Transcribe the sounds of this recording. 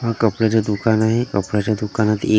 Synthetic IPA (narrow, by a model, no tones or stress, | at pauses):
ɦakəpɽat͡ɕjad̪ukanaɦekəpɽat͡ɕad̪ukanat̪ḛ